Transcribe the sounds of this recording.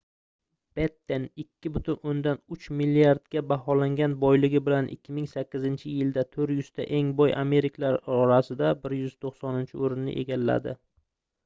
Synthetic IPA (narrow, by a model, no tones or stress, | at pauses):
b̥et̪ːenɪkʲʰːɪbʊt̪ʰʊnond̪anʊt͡ʃmilːiaɾd̪ɡʲabaɦɒlaŋɡʲanbɒjlɪɡʲɪbɪlanʔɪ̰kʲːɪmɪŋsakʲːɪzɪnt͡ʃʰɪjɪld̪at̪ʰɵɾjʊz̥t̪ʰa̰ʔe̞ŋbɒjʔame̞ɾɪkʰlaɾɒɾasɪd̪abɪɾjʏz̥t̪ʰoqsɒnɪnt͡ʃʰɪoɾɪnːɪ̰ʔe̞̰ɡʲalːa̰d̪ɪ̰